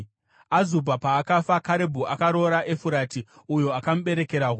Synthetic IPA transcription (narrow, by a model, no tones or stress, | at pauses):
azubʱapaːkafakaɾebʱuʔakaɾo̞ɾaʔe̞fuɾati | ujo̞akamuɓe̞ɾe̞ke̞ɾaɦu